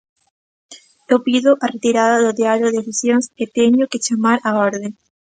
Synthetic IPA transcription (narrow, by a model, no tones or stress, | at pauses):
ewpiðʊʔaret̪iɾaðaðoðeaβloðefisjoŋset̪eɲoket͡ʃamaɾaoɾðe